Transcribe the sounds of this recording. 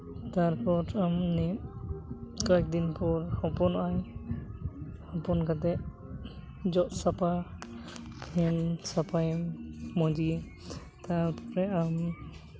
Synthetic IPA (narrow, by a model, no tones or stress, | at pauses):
t̪aɾpɔtamnɛ | kɔɛk̚d̪inpɔɾhɔpɔnaj | hɔpɔnkat̪ɛ | d͡ʒɔʔsapa | hɛnsapʰajmɔd͡ʒi | t̪aɾpʰɔɾɛam